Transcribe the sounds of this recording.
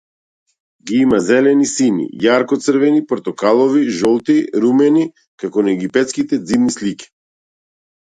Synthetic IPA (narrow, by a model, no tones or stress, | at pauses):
ɡiimazɛlɛnisinḭjaɾkɔt̪sərɾvɛnipɔɾt̪ɔkalˠɔviʒɔlˠt̪iɾumɛni | kakɔnaɛɡipɛt̪skit̪ɛd̪zibnisliki̥